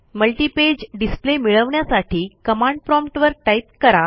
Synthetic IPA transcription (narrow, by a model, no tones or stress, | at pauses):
məlʈiːped͡ʑɖisplemiɭəʋɳjasaʈʰiːkəmãɳɖ̚pɾɔmʈʋəɾʈajp̚kəɾa